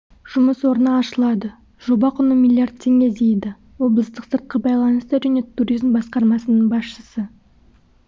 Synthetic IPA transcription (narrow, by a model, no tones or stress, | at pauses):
ʒ̥ʊməswo̞ɾənəːʃəlˠɑd̪ə | ʒo̞bɑqʰʊnəmilʲˠiart̪̚t̪ʲʰːe̞ŋʲe̞d̪ejd̪ɪ | wo̞blˠəst̪əqsəɾt̪̚qəbɑjlˠɑnəst̪əʒæne̞t̪ʰuɾizmbɑsqɑɾmɑsənəɴbɑsʃəsə